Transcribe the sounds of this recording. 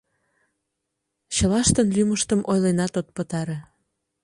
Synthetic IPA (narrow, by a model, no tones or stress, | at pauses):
t͡ɕəlɑʃt̪ənlyməʃt̪əmʔojlenɑt̪ot̪̚pət̪ɑɾe